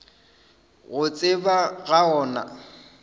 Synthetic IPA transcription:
ɣʊt͡sʼɪbaɣaɔːna̰

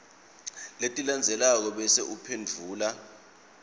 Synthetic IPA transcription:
letʼiland͡zʱɛlak̬ɔɓɛseʔupʰend͡vʱuːla

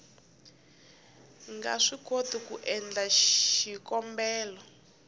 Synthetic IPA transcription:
ŋɡa̰ʂikotikuʔɛnd͡ɮaʃikɔmbɛːlɔ

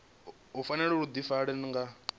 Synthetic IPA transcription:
ɦufanɛɺɛɺud̪ifaɺɛniŋɡa

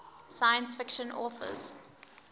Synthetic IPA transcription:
saɪə̃nsfɪkʃə̃nɔ̰ːθə̰z̥

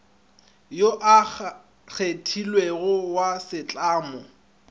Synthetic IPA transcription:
joʔa | ɣʰetʰilweɣʊwasɪt͡ɬʼaːmɔ

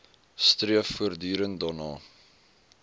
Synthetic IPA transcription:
striəfːuərdyːɾəntdɑrnɑː

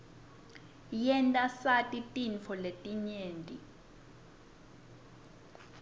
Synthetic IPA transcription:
jɛntʼasatʼitʼinfʰɔletʼiɲeːntʼi

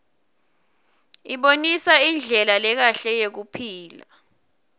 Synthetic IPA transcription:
iɓonisaind͡ɮʱɛlalɛk̬aɬɛjek̬upʰiːla

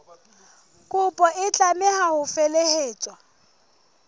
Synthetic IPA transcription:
kʼʊpʼɔʔɪt͡ɬʼamɪhahʊfeleheːt͡ʃʼwa

